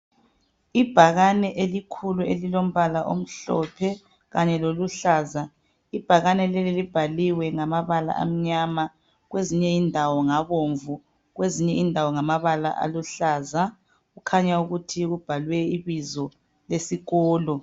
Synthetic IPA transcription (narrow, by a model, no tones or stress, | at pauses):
ib̥ʱaɣanɛʔelikʰuluelilom̩βalaʔo̰m̩ɬɔ̰pʰɛ | ɣaɲɛloluɬaːza | ib̥ʱaɣanɛlɛlilib̥ʱaliwɛŋamaβala̰ʔa̰m̩ɲama | ɣweziɲɛindʱawɔŋaβoɱvu | ɣweziɲɛindʱawɔŋamaβala̰ʔa̰luɬaːza | ɣukʰaɲauɣutʰiɣub̥ʱalwɛiβizɔ | lesiɣɔːlɔ